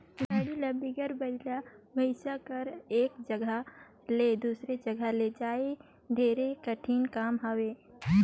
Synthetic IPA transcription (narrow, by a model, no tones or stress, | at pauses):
bəɽilɐbiɡəɾbɐlabɐɪʃakɐɾeːkd͡ʒɐɡʱə | leːd̪uːsɾed͡ʒɐɡʱəled͡ʒaːe | ɖʱeːɾekɐʈʰiːnkaːmɦaweː